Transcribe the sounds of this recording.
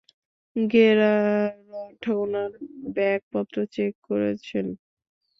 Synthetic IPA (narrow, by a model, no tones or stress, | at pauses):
ɡeɾaɾɔʈʰownaɾbɛk̚pɔt̪ːɾot͡ɕekːoɾet͡ɕʰen